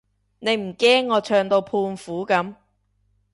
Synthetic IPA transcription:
ne˨˧jm̩˨˩kɛː˥ŋːɔː˨˧t͡ʃʰœː˧ŋt̪o˧wpʰuː˧nfuː˨˥kɐ˨˥m

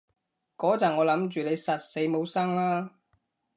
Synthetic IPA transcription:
kɔː˨˥t͡sɐ˨˩ŋɔː˨˧lɐ˨˥mt͡ʃyː˨ne˨˧jsɐ˨t̚se˨˧˥jmo˨˧wsɐ˥ŋlaː˥

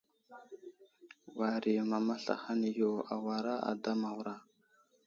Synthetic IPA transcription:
wa˨ɾi˨ma˨ma˦ɬa̰˨xa˦ni˨jo˨a˨wa˨ɾa˦a̰˨da˦ma˨wɾa˦

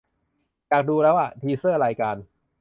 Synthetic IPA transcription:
t͡ɕaː˨˩k̚duː˧ɾɛː˦˥wa˥˩t̪ʰiː˧sɤː˥˩ɾaː˧jkaː˧n

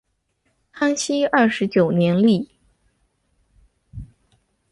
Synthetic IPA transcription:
kʰa˥ŋɕi˥ɐ˥˩ʂɻ̩˧˥t͡ɕjo˨˩ʊnjɛ˧˥nli˥˩

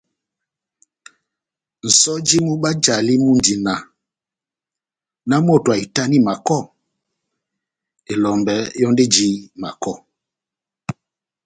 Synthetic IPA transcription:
n̩˨sɔ˦d͡ʒi˦mu˦ɓa˦d͡ʒa˨li˦mu˦nd͡ʒi˨na˨ | na˦mo˦˨tu˨a˨i˨ta˦ni˦ma˨kɔ˦˨ | e˨lɔ˨mbɛ˨˦jɔ˦nde˦d͡ʒi˦ma̰˨kɔ˦˨

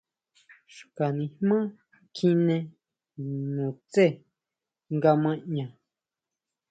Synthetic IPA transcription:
ʃu̥˨ka˨nĩ˧hmã˦ | kʰi˦nẽ˧ | nũ˨t͡se˦˨ | ŋɡa˧mã˦ɲã˨

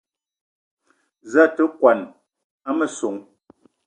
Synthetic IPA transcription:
za˦tə˦kwa˨n | a˦mə˨so˨ŋ

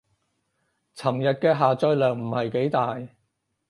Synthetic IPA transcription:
t͡sʰɐ˨˩ŋjɐ˨t̚kɛː˧ɦaː˨t͡sœː˧lœː˨˩ŋm̩˨˩hɐ˨jke˨˥jt̪aː˨j

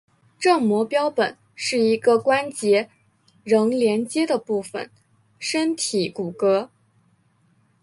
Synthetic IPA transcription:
ʈ͡ʂɤ˥˩mwɔ˧˥pjɑ˥ʊpə̰˨˩˦n | ʂɻ̩˥˩i˧˥ɡə˧kwa˥nt͡ɕjɛ˧˥ | ɻɤ˧˥ŋljɛ˧˥nt͡ɕjɛ˥d̪ə˨pu˥˩fə̰˩n | ʂə˥nt̪ʰi˨˩˦ku˨˩kɤ˧˥

